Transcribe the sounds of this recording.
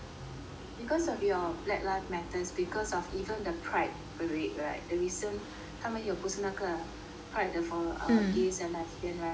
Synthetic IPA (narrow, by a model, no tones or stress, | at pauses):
bikɔsɔfjɔblɛk̚latmɛtəsbikɔsɔfivə̃ndəpʰɹaɪt̚pəɹet̚ɹaɪt̚dəɹizə̃n | hãmɛ̃njɔpusənakə | pʰɹaɪt̚dəfɔʔa̰wəɡesɛ̃nlatbɛ̃nɹa